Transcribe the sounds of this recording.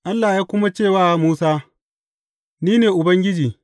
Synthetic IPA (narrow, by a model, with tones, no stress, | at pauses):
ʔa˦lːaː˨jaː˦kʷʊ˦ma˦t͡ʃeː˦˨waː˦muː˦saː˦ | niː˦neː˨ʔʊ˨bɐ˦ŋɡʲɪ˦d͡ʒiː˨